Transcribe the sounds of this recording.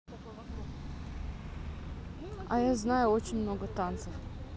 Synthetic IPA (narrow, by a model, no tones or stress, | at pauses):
a̰jaznajʊot͡ɕɪnʲmnoɡət̪ant̪səf